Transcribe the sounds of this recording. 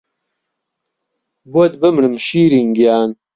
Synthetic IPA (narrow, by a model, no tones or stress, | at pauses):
buɐd̪bɐmɳəmɕiːɾiŋɡjaːn